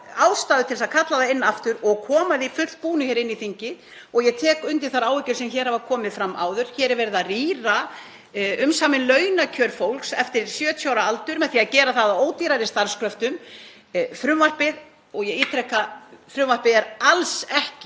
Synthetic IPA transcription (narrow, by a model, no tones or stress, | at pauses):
aːwst̪aːðʏt̪ʰɪlsaðkʰat̪laðaɪnːaaft̪ʏɾɔɣkʰɔːmaðifʏr̥t̪̚puːnʏçɛːɾɪnːiθiɲcɪ | ɔɣjɛɣt̪ʰɛːkʏnt̪ɪ̥θaɾaːwvɛcʏɾ̥sɛmçɛːɾ̥havakʰɔːmɪðfɾamːa̰ːwðʏɾ̥çɛːɾɛɾvɛɾɪðariːɾa | ʏmsaːmɪnlœɥnacʰœːɾfowlksɛft̪ɪɾsjœːt̪ʰjawɾaalt̪ʏɾmɛðθiːaðcɛːɾaθaðaoːwt̪iːɾaɾɪst̪aɾ̥skʰɾœft̪ʏm | fɾʏmvar̥pɪð | ɔɣjɛɣiːt̪ʰɾɛkːafɾʏmvar̥pɪðɛɾalsɛhcɪ